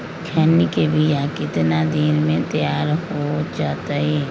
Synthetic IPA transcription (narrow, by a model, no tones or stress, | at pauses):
kʰɛːnikebʱijakɪt̪nad̪ɪnmẽt̪jaːɾɦod͡ʒaːt̪aɦɛː